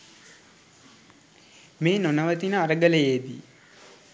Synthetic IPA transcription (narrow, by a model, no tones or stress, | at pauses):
meːnonəʋət̪inəaɾəɡələjeːd̪ḭ